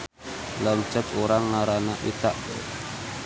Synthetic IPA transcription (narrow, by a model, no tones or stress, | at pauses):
laɲt͡ʃət̪uɾaŋːaɾanaʔit̪aʔ